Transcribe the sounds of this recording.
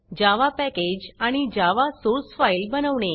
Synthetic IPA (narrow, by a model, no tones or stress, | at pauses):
d͡ʑaʋapɛked͡ʑaɽ̃id͡ʑaʋasoɾsfailbənəʋɳe